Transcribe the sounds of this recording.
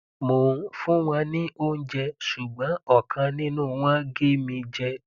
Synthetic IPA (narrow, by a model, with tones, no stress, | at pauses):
mo˨fũ˦w̃ã˧nĩ˦ʔo˦n̩˦d͡ʒɛ˧ʃu˨ɡ͡bã˨˦ɔ˦˨kʰã˧nĩ˦nũ˦˨w̃ã˦ɡe˦mĩ˧d͡ʒɛ˧